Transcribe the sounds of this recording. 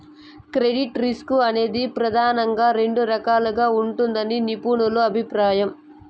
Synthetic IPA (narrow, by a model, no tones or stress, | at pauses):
kɾe̞ɖiʈɾiskuɐne̞ːd̪ipɾɐd̪ʱaːnɐŋɡaːɾe̞ɳɖuɾɐkaːluɡaːuɳʈund̪ɐninipuːɳuluɐbʱipɾaːjɐm